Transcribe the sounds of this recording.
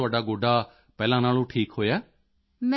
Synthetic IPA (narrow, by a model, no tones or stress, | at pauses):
ʊaːɖaːɡoːɖaː | pɛːlãːnaːlõːʈʰiːkɦoːjaː | m